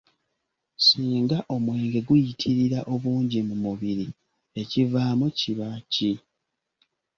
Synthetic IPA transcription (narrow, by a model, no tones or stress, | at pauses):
siːŋɡaʔo̞mwe̞ːŋɡe̞ɡujitʰiɾiɾaʔo̞βuːɲɟimumuβiɾi | e̞civaːmuciβaci